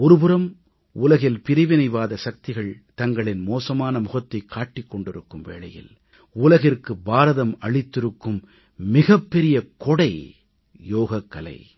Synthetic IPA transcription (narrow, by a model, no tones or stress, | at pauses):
ɔɾɯpɯɾɐm | ʊlɐɣɪlpɪɾɪʋɪnɐɪʋaːðɐsɐk̚t̪ɪɣɐɭt̪ɐŋɡɐɭɪnmoːsɐmaːnɐmʊɣɐt̪ːɐɪkʰːaːʈːɪkːɔɳɖɪɾɯkːɯmʋḛːɭɐjɪ̰l | ʊlɐɣɪrkɯbaːɾɐðɐmɐɭɪt̪ːɪɾɯkːɯmː | ɪɣɐpːɛɾɪjɐkɔɽɐɪ | joːɣɐkːɐlɐ̰ɪ